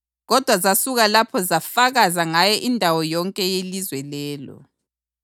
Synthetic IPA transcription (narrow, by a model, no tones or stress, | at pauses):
ɣɔd̥ʱwazasuɣalapʰɔzafaɣazaŋajɔʔindʱawɔjɔŋkʼɛjelizwɛlɛːlɔ̰